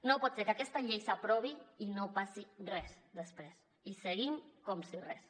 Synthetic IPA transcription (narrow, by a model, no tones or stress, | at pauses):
nopɔt̪seɾkakɛst̪aʎejsapɾɔβiinopasirɛsd̪əspɾes | isəɣimkomsirɛ̰s